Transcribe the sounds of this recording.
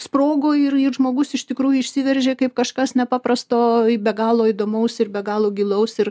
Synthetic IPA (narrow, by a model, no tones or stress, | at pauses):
sproːɡoːɪrɪrʒmoːɡʊsɪʃt̪ʲɪkɾuːjʊɪʃʲsʲiʋʲɛrʲʒʲeːkɐɪp̚kɐʃkɐsnʲɛpɑːprɐst̪oːbʲɛɡɑːlˠoːid̪oːmɐʊsɪrbʲɛɡɑːlˠoːɡʲilˠɐʊsɪr